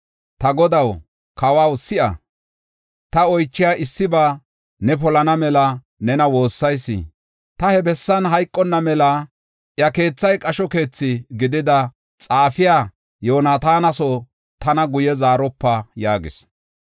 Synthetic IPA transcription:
t̪ɐɡɔd̪ɐw | kɐwawsɪʔɐ̰ | t̪ɐɔjt͡ʃːɪjaːʔɪsːɪbaː | nɛp̬ɔlɐnɐmɛlɐ | nɛnɐwo̞ːsːɐjsːɪ̰ | t̪ɐhɛbɛsːɐnɦɐjkʼːɔnːɐmɛlɐ | ʔjɐke̞ːt͡sːɐjkʼɐʃɔke̞ːt͡sːɪɡɪd̪ɪd̪ɐ | t͡sʼaːfɪjaː | jo̞ːnaːt̪aːnɐsɔ | t̪ɐnɐɡʊjɛzaːɾɔpːɐjaːɡɪ̰s

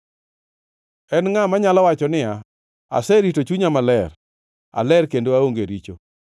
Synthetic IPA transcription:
ɛnŋamaɲalawat͡ʃɔnɪja | a̰sɛɾitot͡ʃuɲamalɛr | a̰lɛrkendoaoŋɡeɾit͡ʃo

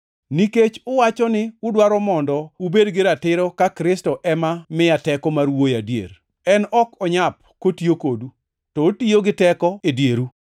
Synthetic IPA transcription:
niket͡ʃʊwat͡ʃɔnɪʊdwaɾɔmɔndɔubedɡɪɾatɪɾɔkakɾɪstɔʔɛmamɪatɛkɔmarwojadjḛɾ | ɛnɔkɔɲap̚kotiokodu | tɔotioɡɪtɛkɔedjeɾu

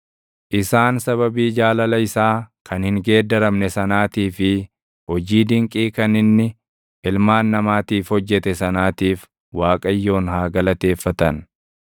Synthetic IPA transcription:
ʔɪsaːnsɐβɐbiːd͡ʒaːlɐlɐɪsaːkʰɐnhɪŋɡeːd̪ːɐɾɐmnɛsɐnaːt̪iːfɪ | hɔd͡ʒiːd̪ɪŋkʼiːkɐnɪnːɪ | ɪlmaːnːɐmaːt̪iːfhɔd͡ʒːɛt̪ɛsɐnaːt̪iːf | waːkʼɐjːo̞ːnhaːɡɐlɐt̪e̞ːfːɐt̪ɐn

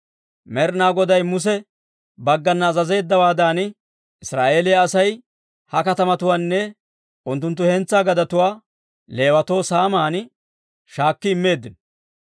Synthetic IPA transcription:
mɛɾnaːɡɔd̪ɐjmʊs̬ɛ | bɐɡːɐnːzɐze̞ːd̪ːɐwaːd̪aːn | ɪsɾaːʔe̞ːlɪjɐːsɐj | hɐkɐt̪ɐmɐt̪ʊwaːnːɛ | ʔʊnt̪ːʊnt̪̬ːʊhɛnt͡sːaːɡɐd̪ɐt̪ʊwaː | le̞ːwɐt̪o̞ːsaːmaːn | ʃaːkːɪːmːe̞ːd̪ːɪn

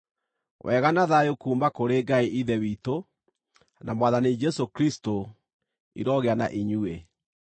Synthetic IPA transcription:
wʔɛːɣanaðajokuːmbakoɾeːɡaiʔiðɛwiːto | namwaðanid͡ʒɛsokɾisto | ḭɾɔɣeana̰ʔiɲue

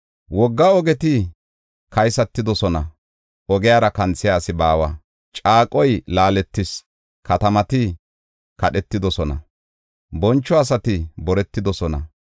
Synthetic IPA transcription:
wɔɡːɐɔɡɛt̪ɪ | kɐjsɐt̪ːɪd̪ɔsɔnɐ | ʔɔɡɪjaːɾɐkɐnt͡sːɪjaːsɪbaːwɐ | t͡ʃʼaːkʼɔjlaːlɛt̪ːɪs | kɐt̪ɐmɐt̪ɪ | kɐɗɛt̪ːɪd̪ɔsɔnɐ̰ | bɔnt͡ʃːɔɐs̬ɐt̪ɪbɔɾɛt̪ːɪd̪ɔsɔnɐ̰

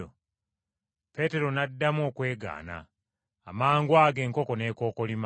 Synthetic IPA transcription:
o | pe̞te̞ɾo̞nadːamo̞ːkwe̞ːɡa̰ːna̰ː | maːŋɡwaːɡe̞ːŋko̞ko̞ne̞ːko̞ːko̞lima

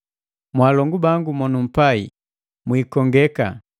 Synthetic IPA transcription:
mwaːlɔŋɡubaŋɡumɔnum̩paḭ | mwiːkɔŋɡɛka̰

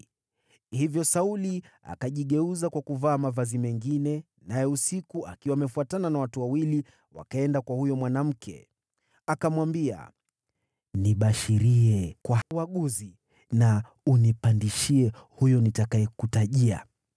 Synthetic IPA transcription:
hivjɔsaulia̰kaʄiɠɛuzakwakuvaːmavazimɛŋɡinɛ | najɛusikuʔa̰kiwaːmɛfuatananawatuwawili | wa̰kaɛndakwahujɔmwanam̩kʰɛ̰ | akamwambia̰ | niɓaʃiɾiɛkwawaɠuzi | na | unipandiʃiɛhujɔnitakaɛkutaʄia̰

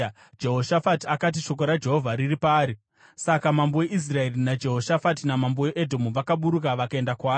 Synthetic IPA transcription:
d͡ʒe̞ɦoʃafatiakat̬iʃo̞k̬oɾad͡ʒe̞ɦo̞vʱaɾiripaːɾi | sakamambo̞weʔis̬rae̞rinad͡ʒe̞ɦo̞ʃafatinamamboweʔedʱo̞muʋakaɓuɾukaʋakae̞ndakwaː

